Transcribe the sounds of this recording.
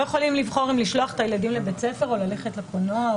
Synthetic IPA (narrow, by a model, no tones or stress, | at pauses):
jeχolimlivχo̞ʁimliʃlo̞aχe̥t̪ajeladimlebet͡sefe̞ʁo̞laleχetlekonoa